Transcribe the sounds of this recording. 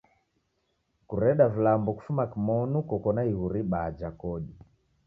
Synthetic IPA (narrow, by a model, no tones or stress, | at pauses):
kuɾɛɗavilambɔku̥fumakimɔnukɔkɔnaiɣuɾiɓad͡ʒakɔɗi